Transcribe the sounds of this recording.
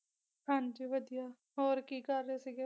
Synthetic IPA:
hãːɲd͡ʒiːʋəd̪ijaː | ɦoːɾkiːkəɾːeːseɡe

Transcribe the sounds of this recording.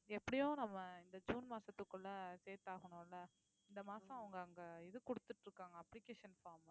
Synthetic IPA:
ɛpːɐɽɪjõːnɐmːɐɪnd̪ɐd͡ʒuːnmaːsɐt̪ːɯkːɯlːɐseːɾʈ̪aːɣɐɳõːɪlːɐ | ɪnd̪ɐmaːsɐ̃ɐʋɐŋɡɐːŋɡɐɪðɯkʊɽɯt̪ːɯʈːɾɯkːaːŋɡɐːpːlɪkːeːʂɐnfaːɾm

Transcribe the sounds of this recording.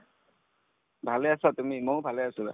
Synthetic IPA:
bʱaleasatumimojbʱaleasʊla̰

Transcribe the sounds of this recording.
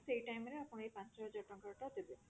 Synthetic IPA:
sejʈajmeɾeapʰɔnejpãnt͡ʃɔɔd͡ʑɔʈɔŋkaɾʈad̪ebe

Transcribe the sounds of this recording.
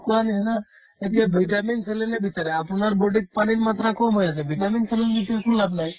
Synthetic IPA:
kuaniɛna | ekeʋiʈaminselenebit͡ʃaɾeapunaɾboɖik̚paɽ̃inmat̪ɾakomɦojat͡ʃʰeʋʱiʈaminselenbit̪aɾkulabnaɦi

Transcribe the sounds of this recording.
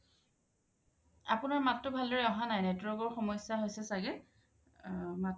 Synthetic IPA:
apʊnaɹmatːʊbʱaldɔɹɛɔɦanajnɛtwɔkɔɹxɔmɔjsjaɦojsɛsaɡɛ | mat

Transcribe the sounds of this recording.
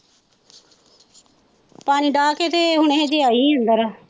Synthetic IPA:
paːniːɖaːket̪eːɦʊɳeed͡ʒeaːiːənd̪əɾaː

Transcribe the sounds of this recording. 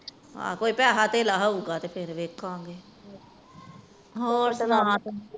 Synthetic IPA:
ɦã̰ːkoːiːpɛːɦaːt̪eːlaːɦauːɡaːt̪eːpʰɪɾʋeːkʰãːŋɡeː | ɦoːɾsna

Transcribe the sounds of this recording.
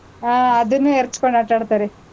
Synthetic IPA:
aɐd̪ɐnːueɾt͡ʃkoɳɖaːʈaːɽt̪aːɾe

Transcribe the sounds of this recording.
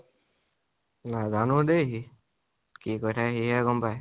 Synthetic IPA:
nazanudejɦi | kikɔjtʰaɦiɦɛɡɔmpaj

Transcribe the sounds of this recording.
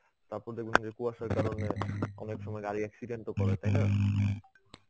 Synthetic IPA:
t̪aɾpɔɾd̪ekʰund͡ʑekuaʃaɾkaɾoneɔ̰nekʃɔmɔeɡaɾiɛksiɖeɳʈokɔɾet̪ajna

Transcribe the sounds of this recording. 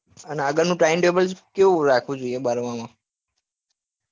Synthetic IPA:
əneəɡəɾnũʈaɪmʈebəlskeũɾakʰʋũd͡ʒoiebaɾʋãmã

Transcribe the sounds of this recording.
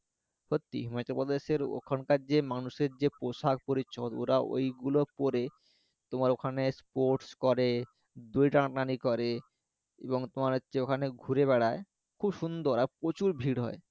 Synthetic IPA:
hot̪ːḭɦimat͡ɕapod̪eʃeɾo̰kʰonkaɾd͡ʑemanuʃeɾd͡ʑepoʃak̚poɾit͡ɕʰːot̪o̰ɾao̰jɡulopoɾe | t̪omaɾokʰanespoɾʈskɔɾe | d̪ujʈaʈnanikɔɾe | eboŋt̪omaɾɦotːɕʰeokʰaneɡʱuɾeβɛɽae | kʰubʃund̪oɾaɾpɾot͡ɕuɾbʱiɽɦɔe

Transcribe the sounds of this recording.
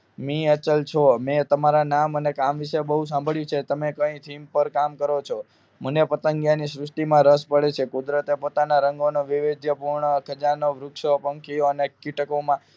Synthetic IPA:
mĩət͡ʃəlt͡ʃʰomet̪əmaɾanamənekamʋiʃebəɦus̬ãmbʱəɭjũt͡ʃʰet̪əmekə̃ĩt̪ʰimpəɾkamkəɾot͡ʃʰo | m̤ənepət̪əŋɡjanisɾʊsʈimãɾəspəɽet͡ʃʰekud̪ɾət̪epot̪anaɾəŋɡonoʋiʋed̪ʱjəpuɾɳəkʰəd͡ʒanoʋɾʊkʃopəŋkʰijoənekiʈəkomã

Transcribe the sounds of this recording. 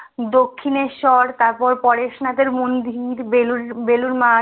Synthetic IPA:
d̪okʰːineʃɔɾt̪aɾpɔɾpɔɾeʃnat̪eɾmund̪iɾbeluɾbeluɾma

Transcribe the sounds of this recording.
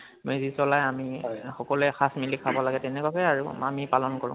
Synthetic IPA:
mezisɔlajamixɔkɔlɛxasmilikʰabɔlaɡɛtɛnɛkɔkɛaɹṵa̰mipalɔnkɔɹʊ̰̃

